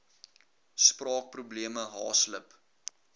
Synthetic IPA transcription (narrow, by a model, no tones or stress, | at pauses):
sprɑːk̚prubliəməɦɑːsləp